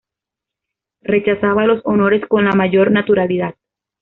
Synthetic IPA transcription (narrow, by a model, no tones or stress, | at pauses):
re̞t͡ʃasaβalo̞so̞no̞ɾe̞sko̞nlamaʝo̞ɾnat̪uɾaliðað̚